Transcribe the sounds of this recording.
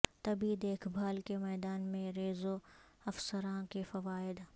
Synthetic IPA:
t̪ɐbid̪eːkʰbʱaːlkemɛːd̪aːnmẽɾeːzo | ɐfsəɾãkefɐʋaːɪd̪

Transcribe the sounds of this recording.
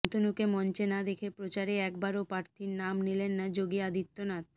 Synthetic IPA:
nt̪onukemɔnt͡ɕenad̪ekʰepɾot͡ɕaɾeɛkbaɾopaɾt̪ʰiɾnamnilenːad͡ʑoɡiad̪it̪ːonat̪

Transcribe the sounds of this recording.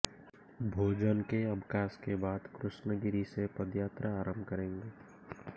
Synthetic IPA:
bʱoːd͡ʒənkeəbkaːskebaːd̪kɾʊʃnəɡɪɾisepəd̪jaːt̪ɾəaːɾə̃mbʱkəɾẽːŋɡeː

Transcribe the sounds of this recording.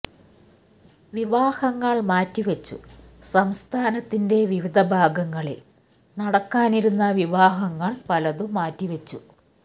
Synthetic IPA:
ʋiʋaːhɐŋːɐɭmaːtːiʋɐt͡ɕːṵsɐmst̪ʰaːnɐt̪ːinde̞ʋiʋid̪ʱɐbʱaːɡɐŋːɐɭe | nɐɽɐkːaːniɾunːɐʋiʋaːɦɐŋːɐɭpɐlɐðumaːtːiʋɐt͡ɕːu

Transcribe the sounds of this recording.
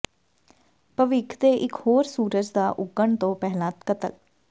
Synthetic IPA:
pəʋɪkʰd̪eːʔɪkhoːɾsuːɾəd͡ʒd̪aːʔʊɡəɳt̪õːpɛɦlãːt̪kət̪ə̰l

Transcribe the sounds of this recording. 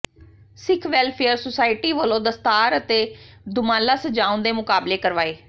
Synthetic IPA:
sɪkʰʋɛːlpʰɛəɾsosaːɪʈiːʋəlõːd̪əst̪aːɾət̪eːd̪ʊmãːlaːsəd͡ʒaːũnd̪eːmʊkaːbleːkəɾʋaːeː

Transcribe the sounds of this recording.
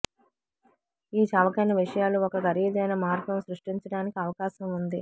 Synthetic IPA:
iːt͡ʃɐʋɐkɐnɐʋiʂɐjaːluɔkɐɡɐɾiːd̪ɛːjnɐmaːɾɡɐmsɾuʂʈiɲt͡ʃɐɽaːnikiɐʋɐkaːʃɐmund̪i

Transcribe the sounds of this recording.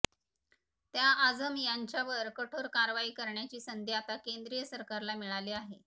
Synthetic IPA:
t̪jaʔad͡zəmijaɲt͡ɕjaʋəɾkəʈʰoɾkaɾʋaiːkəɾɳjat͡ɕiːsənd̪ʱjat̪akend̪ɾijəsəɾkaɾlamiɭaliːaɦe

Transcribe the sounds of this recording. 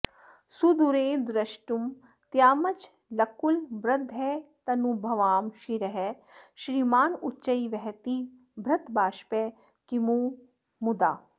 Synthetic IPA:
sud̪uɾeːd̪ɾɐʃʈum | t̪jaːmɐt͡ʃ | lɐkulbɾɐd̪ʱɛːt̪ɐnubʱɐʋaːmʃiɾɐɦɛ | ʃɾiːmaːnut͡ʃɐiʋɛɦt̪i | bʱɾɐt̪baːʃpe | kimu | mud̪aː

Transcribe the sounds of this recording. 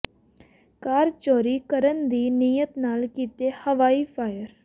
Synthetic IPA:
kaːɾt͡ʃɔːɾiːkəɾənd̪iːniːjət̪naːlkiːt̪eːhəʋaːiːpʰaːjəɾ

